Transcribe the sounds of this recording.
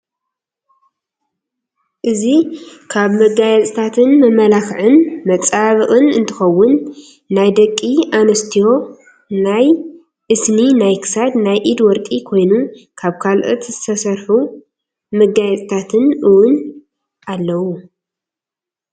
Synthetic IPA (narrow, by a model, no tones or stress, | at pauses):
ʔɨzikʰaβmɐɡajɛt͡sʼt̪ʰat̪ʰɨnmɐmɐlakʕɨnmɐt͡sʼaβɨʔʼɨnɨnt̪ʰɨxɐwːʊnː | ajd̪ɐkʼːianɐst̪ʰijo̞ | naj | ʔɨsninajkʰɨ̥sad̪najʔid̪wɔɾkʼikʰo̞jnukʰaβkʰalʔɨt̪zɨt̪ʰɐsɐɾħu | mɐɡajɛt͡sʼt̪ʰat̪ʰɨnʔɨwʊn | ʔalːɐwu